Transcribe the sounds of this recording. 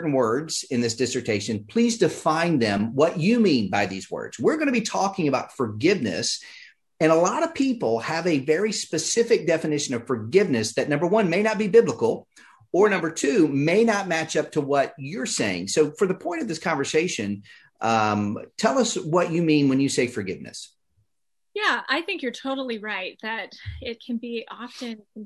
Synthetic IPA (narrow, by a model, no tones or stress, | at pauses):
ʔn̩wɜ˞dz̥ɨ̃nðɪsd̥ɪsə˞tʰeɪʃɨ̃npʰl̥izdɨfãɪ̃nðɨ̃mwʌt͡ʃɨmĩnbaɪðḭzwɜ̰˞dz̥wɪɹɡʌ̃nɨbitʰɔkɪ̃ŋɨbaʊtfə˞ɡɪvnɨ̰s | ɨ̃nəlɑɾʌv̥pʰipl̩ˠəvɨvɛɹispɨsɪfɨk̚d̥ɛfɨnɪʃɨ̃nʌv̥fə˞ɡɪvnɨsðɨtⁿnʌ̃mbə˞wʌ̃nmeɪnət̚b̥ibɪbləkl̩ˠ | ə˞nʌ̃mbə˞tʰʉmeɪnət̚mæt͡ʃʌp̚tʰəwʌt͡ʃə˞seɪɪ̰̃ŋsoʊfə̃mðəpʰɔ̃ɪ̃ñʌvðɪskʰɑ̃ɱvə˞seɪʃɨ̃n | ʔʌ̃mtʰɛlˠʌswʌt͡ʃɨmĩnwɨ̃njɨseɪfə˞ɡɪvnɨ̰s | jæaɪθɪ̃ŋkjə˞tʰoʊɾl̩ˠiɹaɪt̪̚ðɨɾɪt̚kʰɨ̃nbiʔɑfɨ̃n